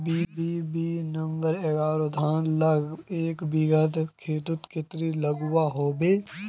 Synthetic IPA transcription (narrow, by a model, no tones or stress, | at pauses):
biːbiːbinɐ̃mbəɾeːɡaːɾod̪ʱaːnlɐɡeːkbiɡəd̪kʰeːd̪ʊt̪kɪt̪ɾilɐɡʊwaɦoːbeː